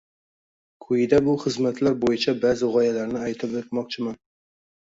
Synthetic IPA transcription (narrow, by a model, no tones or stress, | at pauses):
kʰʊjɪd̪abʊχɨzmat̪ʰlaɾbojɪt͡ʃʰabazɪʁɒjalaɾnɪajt̪ʰɪpet̪mɒq̚t͡ʃʰɪman